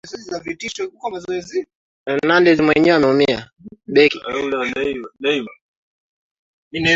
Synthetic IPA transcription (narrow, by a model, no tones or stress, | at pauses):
zɛzizavitiʃɔkukɔmazɔɛzi | nandɛzimwɛɲɛwɛamɛumia | ɓɛkulɛnaianaiva | inɛ